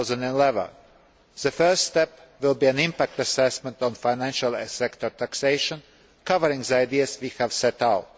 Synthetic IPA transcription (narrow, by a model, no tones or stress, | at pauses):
zə̃nd̃nlɛvə̰̃n | z̥əfɜ˞st̪st̪ɛp | ʋɪlˠbiæ̃nɪ̃mpæk̚t̪ɨsɛsmɛ̃nt̪ɔ̃nfaɪnæ̃nʃalˠsɛkt̪ɔɹt̪ʰækseɪʃə̃n | kavəɾɪ̃ŋzəaɪd̪iəsʋiːhævsɛtaʊt̚